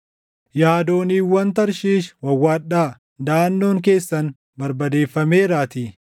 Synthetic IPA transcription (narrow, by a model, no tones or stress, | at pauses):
jaːd̪o̞ːniːwːɐnt̪ɐɾʃiːʃwɐwːaːɗaː | d̪aːnːo̞ːŋk̬e̞ːsːɐn | bɐɾbɐd̪e̞ːfːɐme̞ːɾaːt̪i